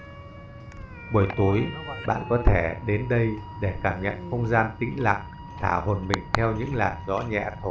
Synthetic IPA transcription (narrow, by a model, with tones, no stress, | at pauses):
ɓu˨˩əjt̪u˨˦əjɓa̰ː˧˨nkɔ˨˦t̪ʰe˧˩ɗe˨˦nɗə˧jɗe˧˩kaː˧˩mɲə̰˧˨nxə˧wŋ͡mzaː˧nt̪ï˨˦˥ŋ̟la̰ː˧˨ŋ̚ | t̪ʰaː˧˩ho˨˩nmï˨˩ŋ̟t̪ʰɛ˧wɲɨ̰˧˥ŋlaː˨˩nzɔ̰˧˥ɲɛ̰˧˨t̪ʰo˧˩